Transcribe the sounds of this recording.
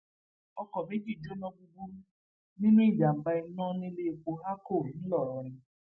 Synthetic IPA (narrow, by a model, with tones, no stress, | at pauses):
ɔ˦kɔ˨be˦d͡ʒi˦˨d͡ʒo˦nɔ˦ɡ͡bu˨ɡu˦m̩˦ | ni˦nũ˦i˦˨d͡ʒa˨m̩˨ba˦i˦nɔ̃˦ne˦le˦˨ko˨ɦa˦ko˦˨n̩˦lɔ˨ɾɪ˦